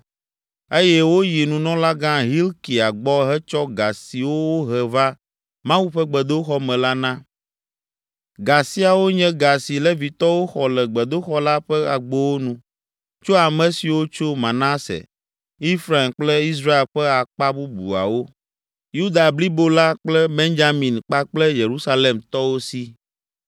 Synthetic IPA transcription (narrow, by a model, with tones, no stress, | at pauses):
e˦jɛ˦wo˦ji˨nũ˨nɔ̃˦la˦ɡã˦ɦi˦lki˨a˨ɡ͡bɔ˦ɦɛ˦t͡ʃɔ˦ɡa˨si˨wo˦wo˦ɦɛ˨va˦ | mã˦wu˦ɸɛ˦ɡ͡bɛ˨d̪o˦xɔ˦mɛ̃˨la˦nã˦ | ɡa˨si˦a˨wo˦ɲɛ̃˦ɡa˨si˨lɛ˦vi˨t̪ɔ˦wo˦xɔ˨lɛ˨ɡ͡bɛ˨d̪o˦xɔ˦la˦ɸɛ˦a˨ɡ͡bo˦wo˦nũ˦ | t͡ʃo˦a˨mɛ̃˨si˨wo˦t͡ʃo˦mã˨na˦sɛ̰˨ | i˦fɾa˨e˨mk͡plɛ˦i˦s̬ɾa˦e˨lɸɛ˦a˨k͡pa˦bu˦bṵ˨a̰˨wo˦ | ju˦d̪a˨bli˦bo˦la˦k͡plɛ˦be˦nd͡ʒa˦mĩ˨nk͡pa˦k͡plɛ˦je˨ɾu˦sa˦le˨mt̪ɔ˦wo˦si˦